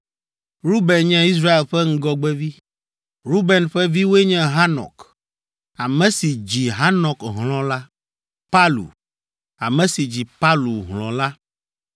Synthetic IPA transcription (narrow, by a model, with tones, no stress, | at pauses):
ɾu˦bɛ˨nɲɛ̃˦i˦s̬ɾa˦e˨lɸɛ˦ŋ̩˦ɡɔ˦ɡ͡bɛ˦vi˦ | ɾu˦bɛ˨nɸɛ˦vi˦wo˦e˦ɲɛ̃˦ɦa˦nɔ̰̃˨k | a˨mɛ̃˨si˨d͡ʑi˨ɦa˦nɔ̃˨kɦlɔ̃˦la˦ | pa˦lṵ˨ | a˨mɛ̃˨si˨d͡ʑi˨pa˦lu˨ɦlɔ̰̃˨la˦